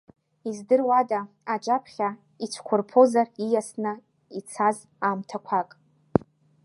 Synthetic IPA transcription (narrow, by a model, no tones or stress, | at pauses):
izdɨrwada | ad͡ʒʼapʰχʲa | it͡ʃʷʰkʷʰʊrpʰo̞zarijasnɨ | it͡sʰaz | amtʰakʷʰakʼ